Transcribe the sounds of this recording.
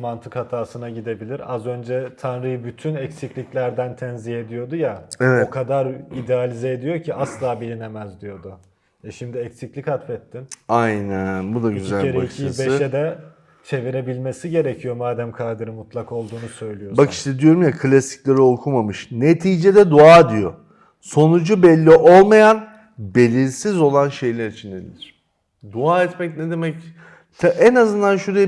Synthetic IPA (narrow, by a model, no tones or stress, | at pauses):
mant̪ʰɯkhat̪ʰaːsɯnaɟid̪e̞bilʲiɾazø̞nd͡ʒɛt̪ʰanɾɯjɯbyt̪ʰynɛcsiclʲiclʲæɾd̪ænt̪ʰɛnzihe̞d̪ijo̞d̪ujaevɛokʰad̪aɾid̪ealʲizɛed̪ijo̞cʰiaslˠaːbilʲine̞mæzd̪ijo̞d̪ʊ | ɛʃimd̪iɛcsiclʲichat̪fɛt̪ʰːinajnænbud̪aɟyzælʲeɾeibeʃed̪ɛ | t͡ʃʰe̞viɾebilʲmesiɟe̞ɾecʰijo̞maːd̪æmkʰaɾd̪ɯɾɯmut̪lˠako̞lˠd̪uːnusø̞jlʲijobaki̥ʃt̪ʰɛd̪ijo̞ɾumjakʰɯlʲasi̥clʲeɾiokʰumamɯʃnet̪ʰiːd͡ʒed̪ɛd̪uaːd̪ijo̞ | so̞nud͡ʒubɛlʲːiʔo̞lˠmajan | be̞lʲiɾsizo̞lˠanʃe̞jlʲæɾit͡ʃʰind̪ed̪ḭlʲiɾ̥ | d̪uaːɛt̪mɛcnɛd̪emɛc | t̪ʰaʔɛnazɯnd̪anʃuɾe